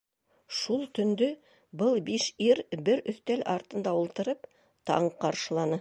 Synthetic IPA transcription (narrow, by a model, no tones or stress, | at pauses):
ʃulˠt̪ɵ̆nd̪ɵ | bɤlˠbiʃiɾbɘɾɵ̆θt̪ælʔɑɾt̪ɤ̆nd̪ɑulˠt̪ɤ̆ɾɤp | t̪ɑ̰ɴqɑɾʃɤ̆lˠɑnɤ